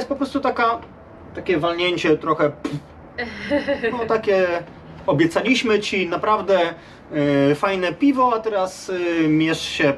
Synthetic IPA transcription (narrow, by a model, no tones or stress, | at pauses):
jɛst̪pɔpɾɔst̪ut̪aka | t̪akʲɛvalɲeɲt͡ɕɛt̪ɾɔxɛp | nɔt̪akʲɛ | ɔbʲjɛt̪salʲiɕmɘt͡ɕinapɾavd̪ɛ | fajnɛpʲivɔat̪ɛɾasmʲjɛʂɕɛ